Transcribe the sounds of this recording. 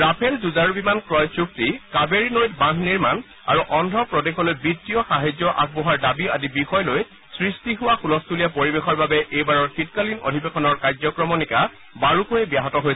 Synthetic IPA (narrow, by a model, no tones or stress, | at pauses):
ɹapʰelzuzaɹubimankɹɔjt͡ʃuk̚tikabeɹinojtbãɦniɹman | a̰ɹuʔɔndʱɹɔpɹɔdexɔlojbitːijɔxaɦazjɔʔa̰k̚bɔɦaɹdabiadibixɔjloj | sɹistiɦʊwaxulɔstulijapoɹibexɔɹbabɛʔejbaɹɔɹkitkalino̰dʱibekʰɔnɔɹkaɹzɔkɹɔmɔnika | baɹukojɛbjaɦɔtɔɦojɛ